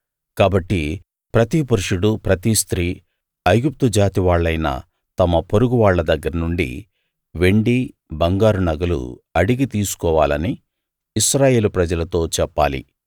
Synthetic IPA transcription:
kaːbɐʈːi | pɾɐt̪ipɐɾuʂuɽupɾɐt̪ist̪ɾiː | ɐjɡup̚t̪ud͡ʒaːt̪iʋaːɭːɐjnɐ̰ | t̪ɐmɐpoɾuɡuʋaːɭːɐd̪ɐɡːɐɾɐnuɳɖḭ | ʋe̞ɳɖi | bɐŋɡaːɾunɐɡɐlṵɐɽiɡit̪iːsu̥kɔːʋaːlɐniː | ʃɾaːje̞ːlupɾɐd͡ʒɐlɐt̪o̞ːt͡ʃɛpːa̰ːlḭ

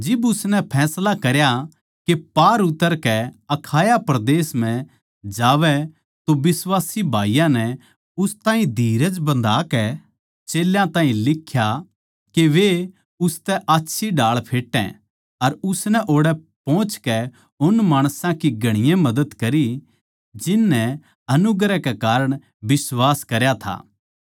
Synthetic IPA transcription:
d͡ʒɪbʊsnɛpʰɛːslakɐɾja | kepaːɾʊt̪ːəɾkɛɐkʰaːjapɾɐd̪eːsmɛ̃ | d͡ʒaːʋɛ | t̪oʋɪswaːsibʱa̰ːijãnɛ | ʊst̪ãːɦĩd̪ʱiːɾəd͡ʒbɐ̃nd̪ʱaːkɛ | t͡ʃeːljãt̪ãːɦĩlɪkʰːja | keʋe | ʊst̪ɛʔaːtːʃʰiɖaːɭpʰeːʈːɛ̰̃ | ɐɾʊsnɛʔoːɽɛ | pɔ̃ːt͡ʃkɛ | ʊnmaːɽ̃sãkiɡɐɽ̃ɪjãmɐd̪əd̪kɐɾi | d͡ʒɪnːɛ | ɐnʊɡɾɛkɛkaːɾəɽ̃ | bɪswaːskɐɾjat̪ʰa̰ː

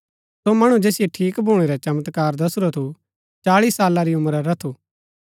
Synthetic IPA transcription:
somɐɽ̃ũd͡ʒeːsɪjeʈʰiːkbʱuːɽ̃eɾɛt͡ʃɐmət̪kaːɾd̪ɐsɾot̪ʰu | t͡ʃaːɭiːsːaːlaɾiʊmɾaɾɐt̪ʰuː

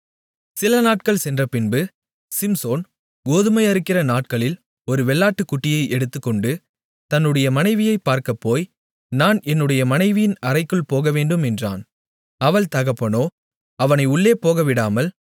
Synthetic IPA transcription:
sɪlɐnaːʈ̚kɐɭsɛndrɐpɪnbɯ | sɪmsoːn | ɡoːðɯmɐɪɐɾɯkːɪrɐnaːʈ̚kɐɭɪl | ɔɾɯʋɛɭːaːʈːɯkːʊʈːɪjɐɪʔɛɽɯt̪ːɯkːɔɳɖɯ | t̪ɐnːɯɽɐjɐmɐnɐɪʋɪjɐɪpːaːɾkɐpːoːj | naːnɛnːɯɽɐjɐmɐnɐɪʋɪjɪnɐrɐɪkːɯɭpoːɣɐʋeːɳɖɯmɛndra̰ːn | ɐʋɐɭt̪ɐɣɐpːɐnoː | ɐʋɐnɐɪʊɭːeːpoːɣɐʋɪɽaːmɐl

